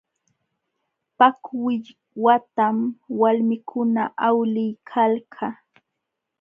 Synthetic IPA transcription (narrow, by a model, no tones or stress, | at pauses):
pakwɪʎ | wat̪amwalmɪkʰʊnaʔawlɪjkʰalkʰa